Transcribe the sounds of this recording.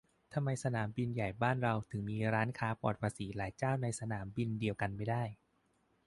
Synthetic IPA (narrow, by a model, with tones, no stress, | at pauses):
t̪ʰa˧mːa˧jsa˧naː˩˦mbi˧nja˨˩jbaː˥˩nɾa˧wt̪ʰɯ˩˦ŋmiː˧ɾaː˦˥nkʰaː˦˥pɔ̰ː˨˩t̪̚pʰa˧siː˩˦laː˩˦jt͡ɕaː˥˩wna˧jsa˧naː˩˦mbi˧ndi˧əwka˧nma˥˩jdaː˥˩j